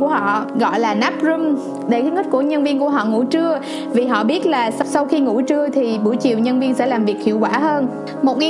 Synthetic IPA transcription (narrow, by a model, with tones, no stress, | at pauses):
kəhɔ̰˧˨ɣɔ̰˧˨jlaː˨˩naː˦˥p̚zu˧m | ɗe˧˩kaː˨˦ŋə˦˥t̚ku˧˩əɲə˧nvi˧ənku˧˩əɦɔ̰˧˨ŋṵ˧˥t͡ɕɨ˧ə | vi˨˩ɦɔ̰˧˨ɓi˦˥ət̚laː˨˩ssa˧wxi˧ŋṵ˧˩t͡ɕɨ˧ət̪ʰi˨˩ɓu˧˩jt͡ɕḭ˧˨wɲə˧nvi˧ənsɛ̰˧˥laː˨˩mvi˨˩ək̚hḭ˧˨əwkwaː˧˩ɦəː˧n | mo˨˩t̚ŋa˨